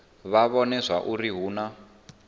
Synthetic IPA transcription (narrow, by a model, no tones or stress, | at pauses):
βaβɔnɛsaʔuriɦuːna